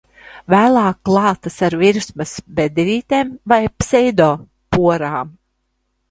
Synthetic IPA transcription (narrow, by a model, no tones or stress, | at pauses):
væːlˠaːkːlˠɑːt̪asaɾviɾsmɨsbed̪ɾiːt̪ʲeːmvajpsɛjd̪oː | puɔɾaːm